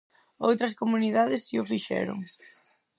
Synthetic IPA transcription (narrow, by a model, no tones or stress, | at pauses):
owt̪ɾɐskomuniðaðɪsːiʊfiʃɛ̰ɾʊ̰ŋ